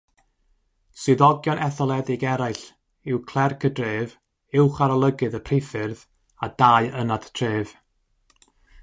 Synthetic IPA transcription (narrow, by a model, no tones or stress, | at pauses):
sɨðɔɡjɔnʔɛθɔlˠɛðɪɡɛɾajɬ | ɪwkʰlˠɛrkʰədreːv | ɪwχaɾɔlˠəɡɨðəpʰrɪfɨrð | adaːɨʔənadtʰreːv̥